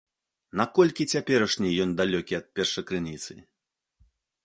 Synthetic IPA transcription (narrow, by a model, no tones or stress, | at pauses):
nakɔlʲkʲit͡sʲapʲɛɾɐʂnʲijɔnd̪alʲɔkʲiɐt̪̚pʲɛrʂɐkɾɨnʲit̪sɨ